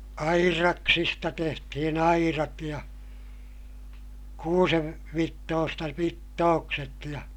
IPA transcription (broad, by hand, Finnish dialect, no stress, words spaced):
ɑirɑksistɑ tehtihin ɑirɑt jɑ kuːseʋ ʋitːoːstɑ ʋitːoːkset jɑ